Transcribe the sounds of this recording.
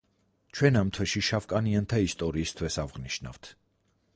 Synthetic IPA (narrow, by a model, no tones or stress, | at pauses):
t͡ʃʰwɛnamt̪ʰwɛʃiʃafkʼaniant̪ʰaist̪ʼɔɾiːst̪ʰwɛsavʁniʃna̰vt̪ʰ